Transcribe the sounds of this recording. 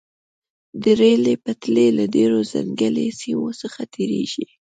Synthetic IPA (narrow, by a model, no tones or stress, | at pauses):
d̪əɾelepət̪lelaɖeɾoza̰ŋɡəlesimosəxat̪ʰeɾeʒi